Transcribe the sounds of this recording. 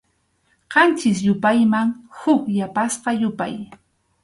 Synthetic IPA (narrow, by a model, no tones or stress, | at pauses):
ɢɑnt͡ʃɪs̬jʊpajmaŋhʊkjapasqɑjʊpa̰j